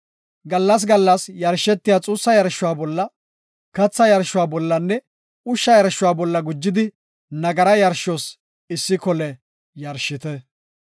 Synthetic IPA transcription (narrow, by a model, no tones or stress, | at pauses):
ɡɐlːɐs̬ɡɐlːɐsjɐɾʃːɛt̪ːɪjaːt͡sʼuːsːɐjɐɾʃːʊwaːbɔlːɐ | kɐt͡sːɐjɐɾʃʊwaːbɔlːɐnːɛ | ʊʃːɐjɐɾʃʊwaːbɔlːɐɡʊd͡ʒːɪd̪ɪ | nɐɡɐɾɐjɐɾʃɔs | ɪsːɪkɔlɛ | jɐɾʃɪt̪ɛ